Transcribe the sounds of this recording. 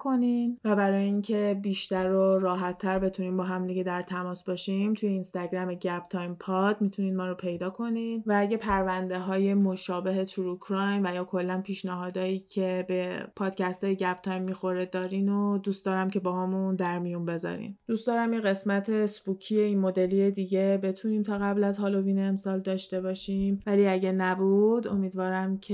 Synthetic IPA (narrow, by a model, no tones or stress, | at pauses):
kʰo̞ninvæbæɾɒːjeiŋcʰe̞biːʃt̪æɾoɾɒːɦæt̪ʰːæɾbe̞t̪ʰuniːmbɒːɦæmd̪iɟed̪æɾt̪ʰæmɒːsbɒʃimt̪ʰuje̞inst̪æɟɾæmeɟæb̥t̪ʰɒːjmpʰɒd̪mit̪ʰuniːd̪mɒːɾopʰe̞jd̪ɒːkʰo̞ninvæːɟepʰæɾvænd̪e̞ɦɒːje̞moʃɒːbe̞ɦe̞t̪ʰuɾukʰɾɒjnvæjɒːkʰo̞lːænpʰiːʃnæɦɒːd̪ɒːiːcʰe̞be̞pʰɒːd̪̥cʰæst̪ʰɒːjeɟæb̥t̪ʰɒːjmːixo̞ɾed̪ɒːɾiːnod̪uːst̪ɒːɾæmcʰe̞bɒːhɒːmund̪æɾmijunbe̞zɒ̰ɾḭnd̪ustd̪ɒːɾæmjeɣe̞smæt̪ʰe̞sbucʰijeiːnmo̞d̪e̞lijed̪iːɟe̞be̞t̪ʰuniːmt̪ʰɒːɣæblæzɦɒːlo̞viːneːmsɒːld̪ɒːʃt̪e̞bɒːʃimvæliːæɟænæbud̪o̞̰miːd̪vɒːɾæmcʰe